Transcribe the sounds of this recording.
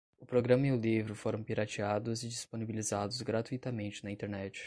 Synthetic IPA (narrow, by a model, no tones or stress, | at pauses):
ʊpɾoɡɾɐ̃mɐiʊlivɾʊfoɾɐ̃w̃piɾat͡ʃiad̪ʊzɪd͡ʒisponibilizad̪ʊzɡɾat̪uit̪ɐmẽnt͡ʃɪnɐĩt̪eɾnɛt͡ʃɪ̥